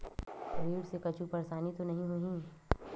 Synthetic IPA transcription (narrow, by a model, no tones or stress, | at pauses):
ɾiːɽsekɐt͡ʃupɐɾsaːnit̪onɐɦĩɦoĩ